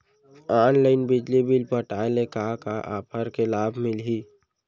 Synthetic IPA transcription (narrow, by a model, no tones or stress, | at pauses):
aːnlaɪnbɪd͡ʒlibɪlpəʈaːlekakaʔaːpʰəɾkelaːbʱmɪlɦiː